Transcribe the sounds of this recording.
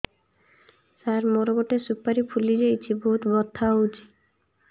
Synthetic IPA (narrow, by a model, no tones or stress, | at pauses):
saɾmoɾoɡoʈesupːaɾipʰulid͡ʑejt͡ʃʰiboɦut̪bɔt̪ʰːaud͡ʑi̥